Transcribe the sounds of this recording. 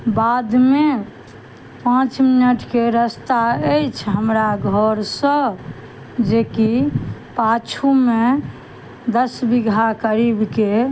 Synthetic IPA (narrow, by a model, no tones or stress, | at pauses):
bad̪me | pãt͡ʃminəʈʰkeɾəst̪aɛjt͡ʃʰɦəmɾaɡʱɔɾsə̃ | d͡ʒekipat͡ʃʰume | d̪əsbiɡʱakəɾibke